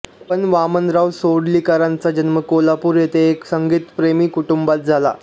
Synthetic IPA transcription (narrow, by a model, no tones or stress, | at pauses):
pənʋamənɾaʋsoɽlikaɾãnt͡sad͡ʑənməkolapuːɾjet̪eːksəŋɡiːt̪pɾemiːkuʈumbat̪̚d͡zʱala̰